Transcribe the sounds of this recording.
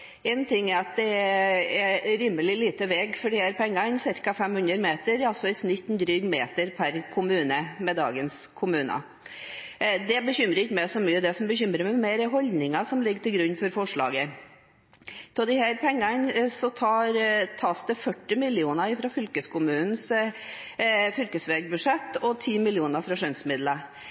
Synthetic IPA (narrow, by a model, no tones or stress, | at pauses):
ɛnt̪ʰɪŋːæɾɑt̪̚d̪ɛɛɾiːməlɪliːt̪əʋɛːɡfɔɖɪhæɾpʰɛŋːɑɪnsɪɾkɑfɛmhʉnəɾmeːt̪əɾɑsɔɪsnɪt̪ːnd̪ɾyːɡmḛːt̪əɾpʰæɾkʰʊmʉːnəmɛd̪ɑ̰ːɡənskʰʊmʉːnɑ̰ | d̪ɛbəçʏmɾəɪçːəmɛɪsɔmyːəd̪ɛsɔmbəçʏmɾəmɛmeɾəɦɔld̪nɪŋɑsɔmlɪɡːt̪ʰɪlɡɾʉɲːfɔɾfɔʂɭɑ̰ːɡə | t̪ʰɛd̪ɪhæːɾpʰɛŋːɑnsɔt̪ʰɑːɾt̪ʰɑːsd̪ɛfœʈːɪmɪlɪuːnɑɪfɾɑfʏlkəskʰʊmʉːnn̩s | fʏlkəsʋeːɡ̚bʉʂɛt̪ːɔt̪ʰiːmɪljuːnɑfɾɑʂœnsmɪd̪lə